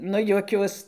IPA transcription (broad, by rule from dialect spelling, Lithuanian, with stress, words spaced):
ˈnʊ juɔˈkʲuɔs